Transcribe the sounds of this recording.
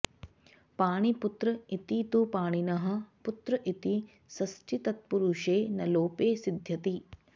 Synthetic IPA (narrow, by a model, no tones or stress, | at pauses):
paːɳiput̪ɾɐit̪it̪upaːɳ̃inɐɦɐ̆put̪ɾɐʔit̪i | sɐsʈʰit̪ɐt̪̚puɾuʃeːnɐloːpeːsid̪ʱjɐt̪i